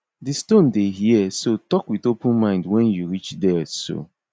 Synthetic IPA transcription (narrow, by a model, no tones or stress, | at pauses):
distõndeɦiɛsotɔkwiðopʊ̃nmãɪ̃ndwɛ̃njuɹit͡ʃdɛso̰